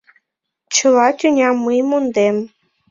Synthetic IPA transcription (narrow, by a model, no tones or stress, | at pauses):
t͡ɕɤlɑt̪ʲynʲɑmːəjmond̪em